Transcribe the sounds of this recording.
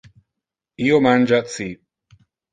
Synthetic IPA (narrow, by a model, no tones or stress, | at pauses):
iːomand͡ʒat̪si